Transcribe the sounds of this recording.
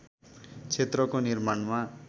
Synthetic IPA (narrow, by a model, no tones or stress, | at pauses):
t͡sʰet̪rʌkonirmaɳma